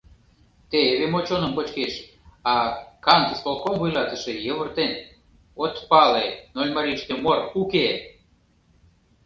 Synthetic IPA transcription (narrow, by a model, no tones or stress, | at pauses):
t̪eeβemot͡ɕonəmkot͡ɕkeʃ | ɑkɑnt̪əspolkomvujlɑt̪ə̆ʃejəβərt̪enʲ | ot̪pɑlenolʲmɑɾiʃt̪emoruke